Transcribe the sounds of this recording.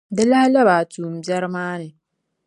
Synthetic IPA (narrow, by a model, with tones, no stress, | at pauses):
dɛ˦la˦ha˦la˦baː˨tuː˨m̩˨bɛ˦ɾɪ˦maː˦nɨ˨